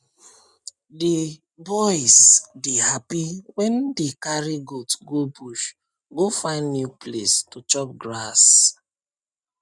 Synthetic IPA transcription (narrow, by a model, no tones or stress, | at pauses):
de | bɔjsdehapiwɛ̃ndekaɾiɡotɡobuʃ | ɡofãɪ̃ndnjupʰlestut͡ʃɔp̚ɡɹas